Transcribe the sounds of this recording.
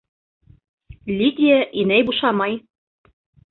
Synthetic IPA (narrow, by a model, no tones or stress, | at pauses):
lʲit̪ʲieʔinæjbuʃɑmɑj